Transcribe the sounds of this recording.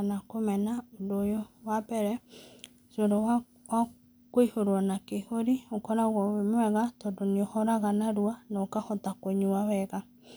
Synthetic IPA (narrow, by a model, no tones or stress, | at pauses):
nakomɛnaodojowabɛɾɛ | soɾɔ | wa | koihoɾwɔnakehoɾiokɔɾaɣɔwemwɛɣatɔdoneohɔɾaɣanaɾuanɔokahɔtakoɲuawɛɣa